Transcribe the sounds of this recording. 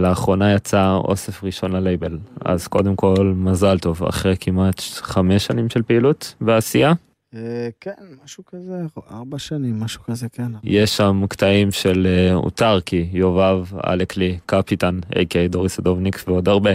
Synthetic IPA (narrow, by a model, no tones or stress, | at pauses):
laːχʁo̞najat͡sao̞̰se̞fʁiʃo̞nlalejbe̞la̰zko̞̰d̪emko̞lmazalt̪o̞va̰χʁekʰimat̪χameʃanimʃelpeilutbeasija | ekenmaʃukazeaʁbaʃanimːaʃu̥kazekenjeʃːamkt̪aimʃeleṵtaʁkijo̞vava̰leklikapitanḛjkejdoʁisad̪ovnikveo̞d̪aʁbe̞